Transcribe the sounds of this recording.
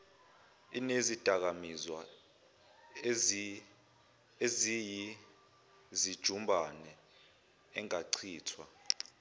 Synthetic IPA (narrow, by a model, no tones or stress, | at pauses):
ḭnezid̥ʱak̬amizwa | eziji | zid̥ʒ̥ʱumbʱanɛ | ɛŋaǀʰiːtʰwa̰